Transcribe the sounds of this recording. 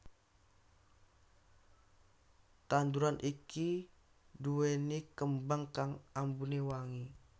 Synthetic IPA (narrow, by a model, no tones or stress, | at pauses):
t̪anduɾanʔiki | duenikəmbaŋkaŋambunewaŋi